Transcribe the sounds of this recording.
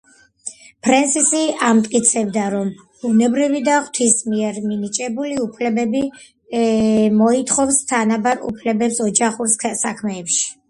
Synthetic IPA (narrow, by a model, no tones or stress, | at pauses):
pʰɾɛnsisiamt̪ʼkʼit̪sʰɛbd̪aɾɔm | b̥unɛbɾivid̪aχwt̪ʰismiɛɾminit͡ʃʼɛbuliupʰlɛbɛbi | mɔit̪ʰχɔfst̪ʰanabaɾṵpʰlɛbɛpsɔd͡ʒaχuɾssakʰmɛːpʃi̥